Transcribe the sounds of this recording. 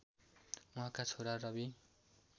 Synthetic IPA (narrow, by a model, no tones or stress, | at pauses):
mʌɦãkat͡sʰoɾarʌbi